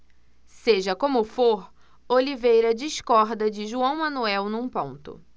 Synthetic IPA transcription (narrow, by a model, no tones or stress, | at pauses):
seʒɐkõmʊfoɾ | olivejɾɐd͡ʒiskɔɾd̪ɐd͡ʒɪʒuɐ̃w̃mɐ̃nuɛwnũpõnt̪ʊ̰